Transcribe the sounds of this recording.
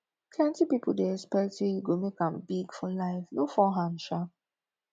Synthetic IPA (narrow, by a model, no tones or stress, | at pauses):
tʰlɛ̃ntipipl̩deɛkspɛktsejuɡomekãmbiɡfɔlaɪfnofɔɦãmʃa